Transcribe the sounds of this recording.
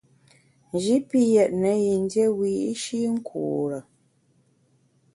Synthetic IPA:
n˨d͡ʒi˨˦pi˦jɛ˨t̚nə˨ji˨n˦dje˦wi˨i˦ʃi˦ŋ̩˦kʰṵː˨ɾə˨

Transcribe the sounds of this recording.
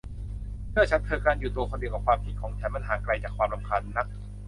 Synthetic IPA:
mɯ˥˩ɐt͡ɕʰa˦˥nt̪ʰɤː˧kaː˧njuː˨˩t̪u˧əkʰɔː˧di˨˩əka˨˩kwaː˧mpʰi˨˩t̪̚kʰɔː˩˦ŋt͡ɕʰɛː˩˦nma˧˨nɦaː˩˦kla˧jt͡ɕaː˨˩kʰwaː˧mla˨˧˦mkʰa˧nːa˦˥k̚

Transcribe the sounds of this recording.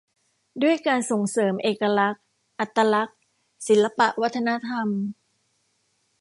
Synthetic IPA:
du˥˩əjkaː˧nso˨˩˦ŋsɤː˩˦mʔeː˨˩ka˧la˦˥k̚ | ʔa˨˩t̪ʰːa˧la˦˥k̚ | si˩˦nla˧pa˨˩ʔwa˦˥t̪ʰːa˧na˦˥t̪ʰa˧m

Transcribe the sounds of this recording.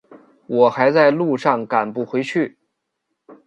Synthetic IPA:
wʔɔ˨˩xa˧˥ɪt͡sa˥˧ɪlu˥˧ʂɑ˥˩ŋka˨˩npu˥˩xwe˧˥ɪt͡ɕʰy˥˩

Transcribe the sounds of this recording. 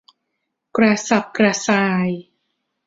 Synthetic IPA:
kɾa˧sa˨˩p̚kɾa˧saː˧j

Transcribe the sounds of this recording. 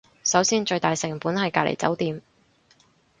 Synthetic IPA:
sɐ˨˥wsiː˥nt͡ʃɵ˧ɥt̪aː˨jsɪ˨˩ŋpuː˨˥nhɐ˨jkaː˧˨lʔḛ˨˩jt͡sɐ˨˥wt̪iː˨m

